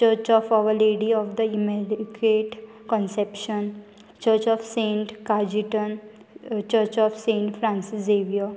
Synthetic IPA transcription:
t͡ʃəɾt͡ʃɔːfaʋəɾleːɖiɔːʋd̪əimeɾkeʈ | kɔ̃nsɛpʃə̃n | t͡ʃəɾt͡ʃɔːʋsẽːɳʈkad͡ʒiʈə̃n | t͡ʃəɾt͡ʃɔːfsẽːɳʈfɾãnsɪsd̪eːʋia

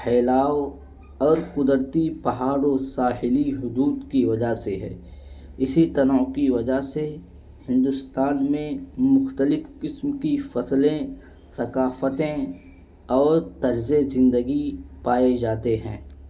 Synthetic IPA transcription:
xɛːlaːw | ɔːɾkʊd̪əɾt̪ipɐɦaːɽosaːɦɪliɦʊd̪uːd̪kiʋɐd͡ʒaseɦɛ̰̃ːɪsit̪ɐnəkiʋɐd͡ʒaɦse | hɪ̃nd̪ʊst̪aːnmẽmʊxt̪əlɪfkɪsmkifɐslẽ | sɐkaːfət̪ẽ | ɔːɾt̪ɐɾzezɪ̃nd̪əɡipaːed͡ʒaːt̪eɦɛ̰̃ː

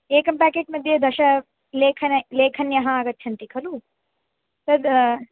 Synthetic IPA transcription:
eːkɐmpæːkeːʈ̚mɐd̪ʱjed̪ɐʃɐ | leːkʰɐnleːkʰɐnjɐɦɐaːɡɐt̪ːt͡ʃʰɐnt̪ikʰɐlu | t̪ɐd̪

